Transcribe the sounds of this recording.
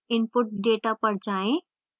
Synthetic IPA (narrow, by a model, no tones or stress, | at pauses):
ɪnpʊʈ̚ɖeːʈapəɽ̤d͡ʒaːẽ